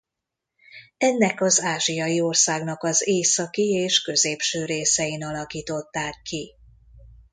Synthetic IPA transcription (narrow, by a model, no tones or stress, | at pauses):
ɛnːɛkɒzaːʒijɒjio̞rsaːɡnɒkɒzeːsɒkieːʃkø̞zeːpʃøːɾeːsɛinɒlɒkiːt̪o̞t̪ːaːkːi